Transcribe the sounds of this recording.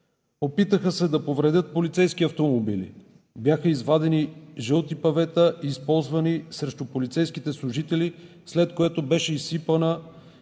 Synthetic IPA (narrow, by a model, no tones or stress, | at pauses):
opit̪əxəsɛd̪ɐpovɾɛd̪ət̪̚polit̪sɛjskiɐft̪omobilḭ | bjaxəizvad̪ɛniʒəlˠt̪ipɐvɛt̪əʔiːspɔlˠzvɐnisɾɛʃt̪ʊpolit̪sɛjskit̪ɛslˠʊʒit̪ɛli | slɛt̪̚koɛt̪obɛʃɛisipənə